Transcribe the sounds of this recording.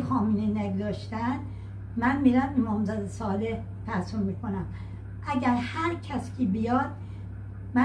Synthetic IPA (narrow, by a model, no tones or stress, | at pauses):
xɒːminenæɡzɒːʃt̪ænd̪ | mænmiɾæmemɒːmzæd̪esɒːleh | p̪ʰæsommiːkʰonæm | ʔæɟæɾhæɾcʰæscʰibijɒːd̪̥̚ | mæ